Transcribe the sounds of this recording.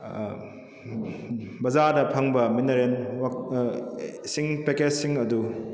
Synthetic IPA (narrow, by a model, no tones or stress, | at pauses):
bɐzadɐpʰɐŋbɐminɐɾenwa | siŋpeked͡ʒsiŋɐdu